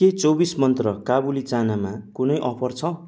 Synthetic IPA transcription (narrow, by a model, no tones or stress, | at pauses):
et͡sobismʌnt̪rʌkabulit͡sanamakunʌjʔʌpʰʌrt͡sʰʌ